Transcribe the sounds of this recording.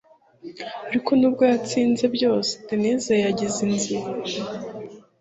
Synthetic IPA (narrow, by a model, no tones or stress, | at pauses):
aɾiko̞nub̚ɡojat͡siːnze̞bɟo̞ːsedine̞zajaɟizinziɾa